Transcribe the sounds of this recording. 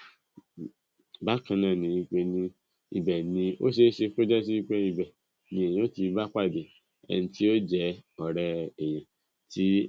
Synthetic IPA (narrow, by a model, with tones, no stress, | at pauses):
ba˦kã˧nãː˦˨nĩ˨˧˦ĩ˧k͡pe˧nĩ˧ | i˨bɛ˨nĩ˧o̰˦ʃe˦ʃe˧ko˦d͡ʒɛ˦s̬i˦˧k͡pe˧i˧bɛ˨ | nĩ˧˦e˨j̃o˦ti˧ba˦k͡pa˦˨de˨ | ɛ̰˧nĩ˧ti˦o˦d͡ʒɛ˦ɔ˨ɾɛ˧ɛ˨j̃ã˨ | ti˦